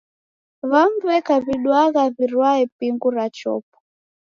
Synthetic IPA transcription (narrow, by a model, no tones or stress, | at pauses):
βaɱvuɛkaβiɗwaɣaβirwaɛpiŋɡuɾat͡ʃɔ̰ːp̚ɔ̥